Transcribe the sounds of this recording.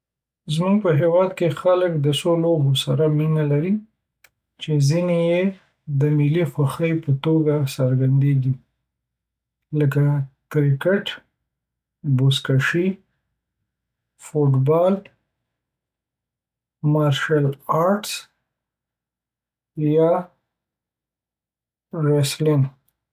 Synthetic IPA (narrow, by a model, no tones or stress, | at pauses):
zmuɡ̚pəɦewɑd̪kexaləkd̪əsolobosaɾaminalaɾi | t͡ʃezineje | d̪əmilixwaxəjpət̪oɡasəɾɡand̪eɡi | lək̬akɾɪkɪʈ | boskaʃi | fuʈbɑl | mɑɾʃalɑɾʈs | jɑ | ɾeslɪn